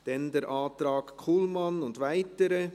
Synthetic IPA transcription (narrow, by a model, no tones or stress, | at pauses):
d̥ɛndɛɾʔaːtɾɑːkkʰuːlmɑnʊndvaɪtəɾə